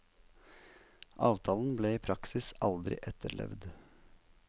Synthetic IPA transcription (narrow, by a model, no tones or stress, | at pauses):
ʔɑːʋt̪ʰɑːln̩bleːiːpʰɾɑksɪsɑld̪ɾɪ̰ʔɛt̪əɭɛ̰ʋd̪